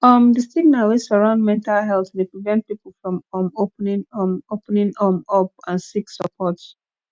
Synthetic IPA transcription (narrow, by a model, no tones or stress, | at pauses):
ɔmdistiɡnawesɔɹãʊ̃ndmɛ̃ntalɦɛlθdepɹivɛ̃nt̚pipl̩fɹɔ̃mɔmopnĩŋɔmopnĩŋɔmɔp̚ãnsiksəpʰɔts